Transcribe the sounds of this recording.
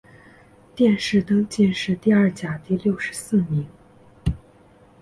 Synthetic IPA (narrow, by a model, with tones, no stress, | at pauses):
t̪jɛ˥˧nʂɻ̩˥˩t̪ɤ˥ŋt͡ɕɛ˥˧nʂɻ̩˥˧t̪i˥˧ə˞˥˩t͡ɕja˨˩t̪i˥˧ljo˥˩ʊʂɻ̩˧˥sɹ̩˥˩mi˧˥ŋ